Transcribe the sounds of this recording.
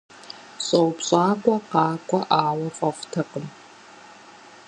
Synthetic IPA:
ɕʼɐwpɕʼaːkʷʼɔqɑːkʷʼɐʔaːwɐfʼɐftʰɐqəm

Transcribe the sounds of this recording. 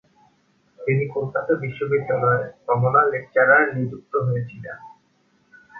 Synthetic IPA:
t̪inikolkat̪abiʃːobid̪ːalɔekɔmonalek̚t͡ɕaɾaɾnid͡ʑuk̚t̪oɦoet͡ɕʰilan

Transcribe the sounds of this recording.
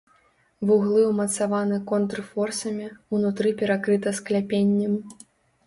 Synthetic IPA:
vuɣlˠɨwmɐt̪savanɨkɔnt̪rfɔrsɐmʲiunut̪ɾɨpʲɛɾakɾɨt̪ɐsklʲapʲenʲːɛm

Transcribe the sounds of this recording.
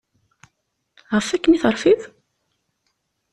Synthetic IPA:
ʁəfækːəniθəɾˤfið

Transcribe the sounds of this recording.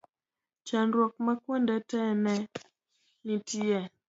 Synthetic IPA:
t͡ʃanɾwɔk̚makwɔndatɛnɛ | nitɛ

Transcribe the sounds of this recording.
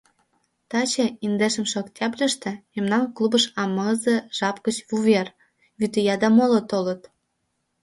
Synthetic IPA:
t̪ɑt͡ɕĕind̪eʃə̆mʃoktʲɑblʲəʃt̪ĕmemnɑnklˠubəʃɑmɤzĕʒ̥ɑpkət͡ɕβuβʲer | βyt̪əjɑd̪ɑmolot̪olə̆t̪

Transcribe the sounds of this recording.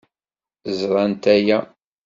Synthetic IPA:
zɾˤɑnt̪æjæ

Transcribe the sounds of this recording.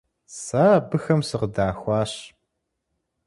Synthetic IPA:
saːbɨxɐmsɨqədaːxʷɑːɕ

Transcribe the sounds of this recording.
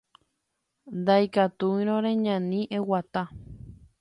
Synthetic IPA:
nd̪ajkat̪uĩɾ̃õɾeɲãnĩʔewat̪a

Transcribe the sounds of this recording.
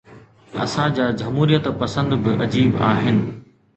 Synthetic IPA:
ɐ̰sãd͡ʑaːd͡ʑɐmɦuːɾijət̪pɐsə̃nd̪bɪʔɐd͡ʑiːba̰ːɦɪnɪ̆

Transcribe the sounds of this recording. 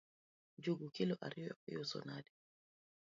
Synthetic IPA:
d͡ʒuɡukilɔʔaɾijɔjɔsɔ̰naɗi

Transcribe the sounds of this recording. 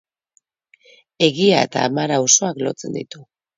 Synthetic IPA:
e̞ɣiae̞t̪a̰ːmaɾawso̞aklo̞̰t͡se̞̰nd̪it̪u

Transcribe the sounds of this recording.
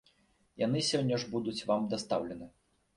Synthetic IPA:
jan̪ɨsʲɔnʲːɐʐbud̪ut͡sʲvamd̪ast̪awlʲɛnɨ

